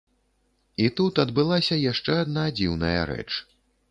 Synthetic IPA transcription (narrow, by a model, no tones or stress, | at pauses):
it̪ut̪ɐd̪bɨlˠasʲɐjaʂt͡ʂɛad̪nad͡zʲiwnɐjɐ̰ɾɛ̰t͡ʂ